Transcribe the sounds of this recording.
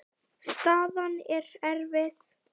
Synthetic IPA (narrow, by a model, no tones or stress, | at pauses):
st̪aːðanɛɾɛɾvɪθ